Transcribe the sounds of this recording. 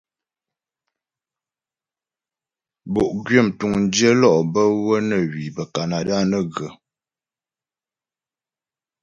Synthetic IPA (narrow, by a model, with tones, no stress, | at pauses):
bo˨ʔɡɥə˦˨mtu˨ŋn̩˦də˦lɔ˦˨ʔbə˦wə˦nə˨wi˨bə˨ka˨na˨da˦nə˦˨ɡə˨